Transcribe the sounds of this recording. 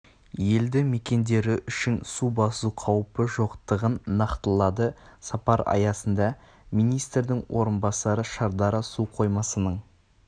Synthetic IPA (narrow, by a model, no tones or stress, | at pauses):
je̞ld̪ɪme̞kʲe̞nd̪e̞ɾɪʔʏʃɪnsubɑsuqʰɑwpəʒo̞qt̪əʁənːɑqt̪əlˠɑd̪əsɑpɑɾɑ̰jɑsənd̪ɑ | mijnijst̪ɾd̪ɪŋwʔo̞ɾənbɑsɑɾəʃɑɾd̪ɑɾəsuqʰo̞jmɑsənəɴ